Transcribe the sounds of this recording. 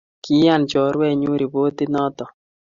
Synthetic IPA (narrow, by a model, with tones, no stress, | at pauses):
kʰi˦ja˦˨nt͡ʃɔ˨ɾwɛ˦˨ɲu˦ɾi˨bo˦t̪i˦nɔ˦t̪ɔ˨